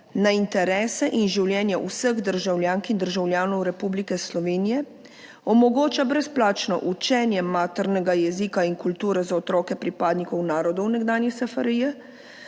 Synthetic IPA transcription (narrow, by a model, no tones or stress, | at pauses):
naint̪ɛɾɛːsɛʔinʒiwljɛːnjaʔusəɣd̪əɾʒawlʲjaːŋkind̪əɾʒawljaːnɔwɾɛpublikɛslɔʋeːnijɛ | ɔmɔɡoːt͡ʃabɾɛsplaːt͡ʃnɔ̰ʔut͡ʃɛːnjɛmaːt̪ɛɾnɛɡajɛziːkainkult̪uːɾɛzaɔt̪ɾɔːkɛpɾipaːd̪nikɔwnaːɾɔd̪ɔwnɛɡd̪aːnjɛsɛfaɾijɛ